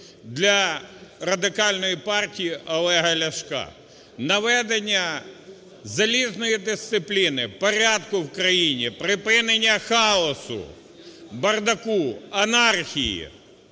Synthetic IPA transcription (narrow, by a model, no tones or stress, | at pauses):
d̪lʲɐrɐd̪ɪkɑlʲnɔjipɑrtʲijiʔɔlˠɛɦɐlʲɐʃkɑ̰ | nɐʋɛd̪enʲːɐ | zɐlʲiznɔjid̪ɪst̪sɪplʲinɪpɔɾʲad̪kʊwkɾɐjinʲipɾɪpɪnenʲːɐxɑɔsʊ̰ | bɐrd̪ɐkuɐnɑrxʲijḭ